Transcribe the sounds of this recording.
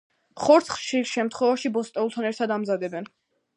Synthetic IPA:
χɔɾt̪sʰχʃisʃɛmt̪ʰχwɛvaʃibɔst̪ʼɛulˠt̪ʰanɛɾt̪ʰad̪amzad̪ɛbɛn

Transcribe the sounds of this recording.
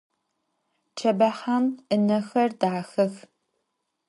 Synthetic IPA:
t͡ʃʰɐbɐħamɨnɐxɐrdaːxɐx

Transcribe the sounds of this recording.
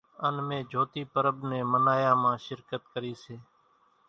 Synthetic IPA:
ənmẽːd͡ʒʱoːt̪iːpəɾəbneːmənaːjaːmãːʃɪɾkət̪kəɾiːseː

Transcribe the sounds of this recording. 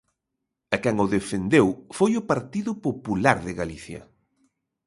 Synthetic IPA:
ɐkɛŋʊðefend̪ewfojʊpaɾt̪iðʊpopulaɾðɪɣaliθjɐ̰

